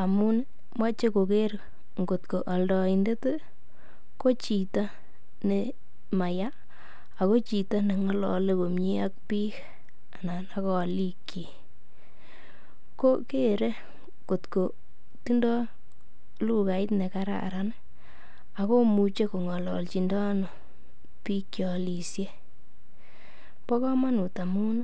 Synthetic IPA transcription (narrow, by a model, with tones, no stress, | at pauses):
a˨mu˦n | mwa˦t͡ʃe˦ko˨ke˦ɾ | ŋɡo˨tko˨ʔa˨ldɔ˨i˨nde˦te˦ | ko˦t͡ʃi˨ta˦ | ne˨ | ma˨jaː˦˨ | ko˦t͡ʃi˨ta˦ne˨ŋɔ˦lɔ̰˨le˦ko˨mɲi˦a˦k̚pi˦k | a˨na˨na˨˦kɔ˦˨li˦kje˨ | ko˦ke˦˨ɾe˦ | ko˨tko˨ | ti˦ndɔ˦ | lu˦ka˨ɪ˦tne˨ka˦ɾa̰˦a̰˨ɾa˦n | a˨ko˦mu˨t͡ʃe˦ko˨ŋɔ˨lɔ̰˨lt͡ʃi˨ndɔ˦no˨ | pi˦kt͡ʃjɔ˨li˨sje˦ | pɔ˦kɔ˦ma˦nu˨ta˨mu˦na